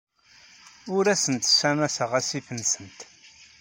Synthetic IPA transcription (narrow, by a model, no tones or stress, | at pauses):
ʊɾæsənt̪sæmæsəʁæsifənsənt̪